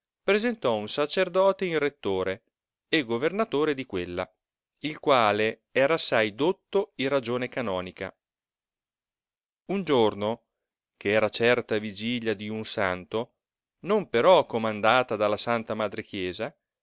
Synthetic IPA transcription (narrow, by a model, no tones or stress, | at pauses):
pɾezent̪ɔunsat͡ʃerd̪ɔːt̪einret̪ːoːɾe | eɡːovernat̪oːɾed̪ikwelːa̰ | ilkwaːle | ɛːɾaːsːajd̪ot̪ːoirad͡ʒoːnekanɔːnika̰ | und͡ʒorno | keɛːɾat͡ʃɛrt̪avid͡ʒiʎjad̪iunsa̰nt̪o | nompeɾɔkːomand̪aːt̪ad̪alːasant̪amad̪ɾek̟jɛːza